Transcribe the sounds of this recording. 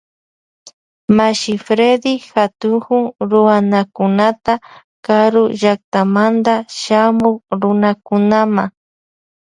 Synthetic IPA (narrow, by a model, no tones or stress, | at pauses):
maʃɪfɾed̪ɪxat̪ʊŋhʊŋɾʊwanakʊnat̪a | kaɾʊʒak̚t̪amand̪aʃamʊkɾʊnakʊnamaŋ